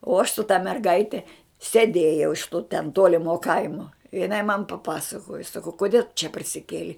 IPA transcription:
oː ɐʃ sʊ tɐ mʲɛrˈɡɐɪtʲɛ sʲɛˈdʲeːjɛʊ ɪʃ tʊ tʲɛn ˈtuɔlʲɪmoː ˈkɐɪmuɔ jɪˈnɐɪ mɐn pɐˈpɑːsɐkoːjoː sɐˈkɐʊ koːˈdʲiɛ tʊ t͡ʃʲɛ pɐrʲsʲɪˈkʲeːlʲɛɪ

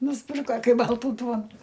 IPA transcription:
nʊsʲˈpʲɪrkɐ ˈkɐɪ ˈbɐlˠtuː ˈduɔnuː

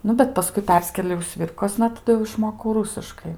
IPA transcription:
ˈnʊ bʲɛt pɐˈskʊɪ ˈpʲɛrʲsʲkʲeːlʲɛʊ ˈsʲʋʲɪrkoːsnɐ tɐˈdʊ jɛʊ ɪʃˈmoːkɐʊ ˈruːsʲɪʃkɐɪ

